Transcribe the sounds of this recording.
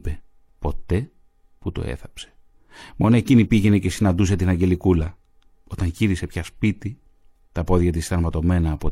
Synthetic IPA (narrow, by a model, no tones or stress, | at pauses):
pe | po̞t̪e̞ | put̪o̞̰ḛθɐ̥pse̥ | mo̞noe̞cinipiʝe̞ne̞ce̞sinɐnd̪us̬e̞t̪inɐɲɟe̞likulɐ | ot̪ɐŋʝiɾise̞pçɐspit̪i | t̪ɐpo̞ðʝɐt̪̬ist̪ɐɾmɐt̪o̞me̞nɐːpo